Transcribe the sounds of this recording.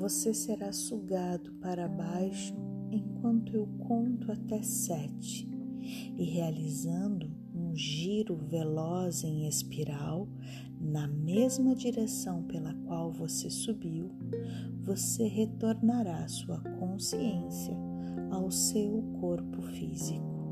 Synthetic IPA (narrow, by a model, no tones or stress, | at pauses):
voseseɾasuɡad̪ʊpaɾɐbajʃʊẽj̃kwɐ̃nt̪ʊewkʰõnt̪ʊat̪ɛsɛt͡ʃɪ̥ | ɪɦealizɐ̃nd̪ʊ | ũʒiɾʊvelɔzẽj̃espiɾaw | nɐmezmɐd͡ʒiɾesɐ̃w̃pelɐkwawvosesubiw | voseɦet̪oɾnaɾasuɐkʰõsiẽsjɐ | awsewkʰoɾpʊfizikʊ